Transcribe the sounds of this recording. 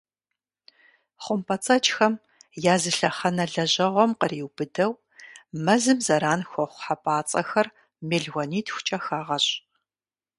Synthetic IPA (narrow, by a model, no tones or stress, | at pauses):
χʷʊmpʰʼɐt͡sʼɐt͡ʃʼxɐm | jaːzɨɬɐχɐnɐɮɐʑɐʁʷɔmqəriːwb̥ɨdɐw | mɐzɨmzɐɾaːnxʷɔχʷħapʼaːt͡sʼɐ̰xɐr | meːɮɣʷɔniːtʰxʷʊ̥t͡ʃʼɐxaːʁɐɕʼ